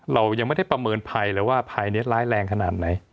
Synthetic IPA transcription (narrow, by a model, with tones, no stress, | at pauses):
ɾa˧wja˧ŋma˥˩da˥˩pɾa˧mɤː˧npʰa˧jɾɯː˩˦˥waː˥˩pʰa˧jni˦˥ɐlaː˦˥jlɛː˧ŋkʰa˧naː˨˩t̪̚na˩˦j